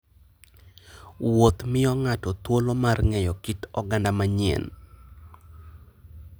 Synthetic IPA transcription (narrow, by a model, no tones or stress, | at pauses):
wot̪mɪɔŋatɔt̪wolomarŋɛjɔkitɔɡandamaɲiɛ̰n